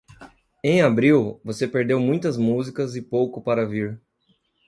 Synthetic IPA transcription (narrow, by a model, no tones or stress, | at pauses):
ẽj̃abɾiwvosepeɾd̪ewmũj̃t̪ɐzmuzikɐzɪpowkʊpaɾɐviɾ